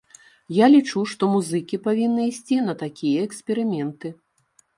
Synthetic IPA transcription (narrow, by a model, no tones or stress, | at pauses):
jalʲit͡ʂuʂt̪ɔmuzɨkʲipavʲinːɨisʲt͡sʲinɐt̪akʲʰijɐɛksʲpʲɛɾɨmʲɛnt̪ɨ